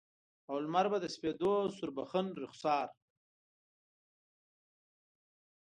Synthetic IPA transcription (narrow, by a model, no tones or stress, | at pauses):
awlmaɾbad̪əsped̪osʊɾbaxənɾʊxsɑːɾ